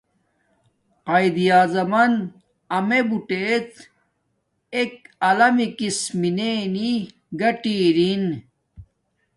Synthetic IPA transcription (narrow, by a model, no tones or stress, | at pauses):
ɐjd̪ijaːzɐmɐn | ɐmebuʈet̪ | ek̚ɐlɐmikismineni | ɡɐʈiɾin